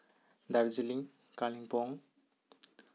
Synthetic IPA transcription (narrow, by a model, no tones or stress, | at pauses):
d̪aɾzuliŋ | kaliŋpɔŋ